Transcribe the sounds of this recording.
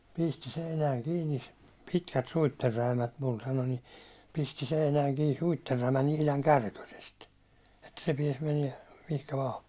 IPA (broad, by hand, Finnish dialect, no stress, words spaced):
pisti seinæːŋ kiːni pitkæt suitːerːæimæt mul sɑno ni pisti seinæːŋ kiː suitːerːæimæn ihlɑŋ kærkøsest etːæ se piɛs meniɛ mihkæ ʋɑː